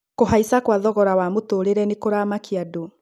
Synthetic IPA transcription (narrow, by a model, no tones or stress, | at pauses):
koɦaisakwaðɔɣɔɾawamotoːɾeɾɛnekoɾaːmakiado